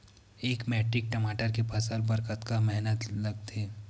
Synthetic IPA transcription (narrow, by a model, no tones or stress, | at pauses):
eːkmɛːʈɾɪk̚ʈɐmaːʈəɾkepaːsəlbɐɾkət̪kamɛɦnət̪lɐɡ̚t̪eː